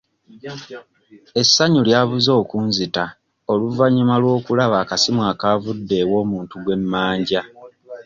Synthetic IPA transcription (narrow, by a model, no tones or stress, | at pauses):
e̞sːaɲuljaβuzo̞ːkuːnzita | o̞luvaɲumalwo̞ːkulaβaːkasimwaːkaːvudːe̞ːwo̞ːmuːntuɡwe̞mːaːɲɟa